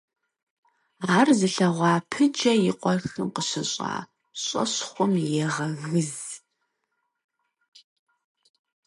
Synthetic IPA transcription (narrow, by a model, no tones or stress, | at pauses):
aːrzɨɬɐʁʷɑːpʰɨd͡ʒɐjɪqʷʼɔrxɨmqəɕɪɕʼa̰ː | ɕʼɐ̰ɕχʷʊmjɛʁɐɣɨz